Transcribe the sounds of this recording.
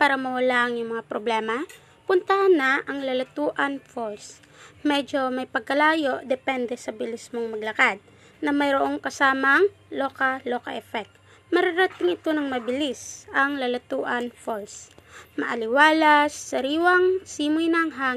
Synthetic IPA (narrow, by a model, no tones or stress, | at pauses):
paːɾɐmɐwɐlaʔɐŋjʊŋmɐŋapɾoblɛːmɐ | pʊnt̪aʔɐnːaʔɐŋlɐlɐt̪uːʔɐnfos | mɛd͡ʒo̞mɐjpɐɡ̚kɐlaːjo̞ʔd̪ɛpɛnd̪ɛsɐbɪlɪsmoŋmɐɡlɐkad̪̚ | nɐmɐjɾoʔoŋkɐsaːmɐŋ | loːkɐloːkɐ̰ʔɛfɛk̚t̪̚ | mɐɾaɾɐt̪ɪŋɪt̪o̞nɐŋmɐbɪlisɐŋlɐlɐt̪uːʔɐnfolsmɐʔɐlɪwaːlɐsːɐɾiːwɐŋsiːmʊjnɐŋɦaː